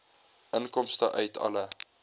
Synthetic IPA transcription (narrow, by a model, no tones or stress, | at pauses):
ʔənkɔmstəʔœɥtʰɐ̰lə